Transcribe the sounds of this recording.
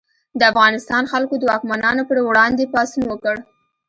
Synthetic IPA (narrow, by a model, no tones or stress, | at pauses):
d̪əafɣɑnɪst̪ɑnxalkod̪əwɑkmanɑnopəɾwɽɑnd̪epɑsinwəkəɽ